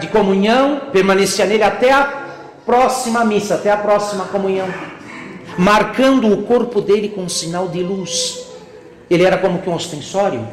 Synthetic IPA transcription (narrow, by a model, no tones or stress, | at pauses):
d̪ɪkomũɲɐ̃w̃peɾmɐ̃nesiɐnelɪat̪ɛɐ | pɾɔsimɐmisɐat̪ɛɐpɾɔsimɐkomũɲɐ̃w̃ | maɾkɐ̃nd̪ʊːkoɾpʊd̪elɪkõũsinawd̪ɪlus | elɪɛɾɐkõmʊkɪũost̪ẽsɔɾjʊ̰